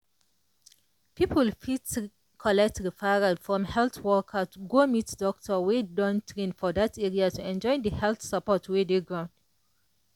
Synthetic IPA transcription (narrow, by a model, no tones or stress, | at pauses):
pʰipəlfit | kʰɔlɛk̚tɹifaɹədfɹɔ̃mhɛlθwɔkʰətɡomitdɔk̚tʰəwedɔ̃ntʰɹĩnfɔðatʰɛɹiatuɛ̃nd͡ʒɔɪdəhɛlθsapɔtʰwedeɡɹãʊ̃nd̥